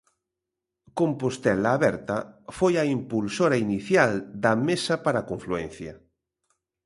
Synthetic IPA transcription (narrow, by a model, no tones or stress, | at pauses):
kompost̪ɛlaːβɛɾt̪ɐfojaimpulsoɾainiθjald̪ɐmesɐpaɾakoɱfluɛn̟θja